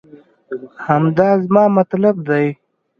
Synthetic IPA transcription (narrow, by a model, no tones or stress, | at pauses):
hamd̪ɑːzmɑːmɐt̪lab̚d̪aj